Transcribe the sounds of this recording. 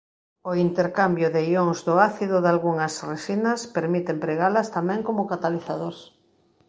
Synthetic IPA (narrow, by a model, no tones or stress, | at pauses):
oint̪eɾkambjʊðejoŋzðʊaθiðʊðalɣuŋɐsreʃinɐspeɾmit̪empɾeɣalɐst̪amɛ̃ŋkomʊkat̪aliθaðoɾs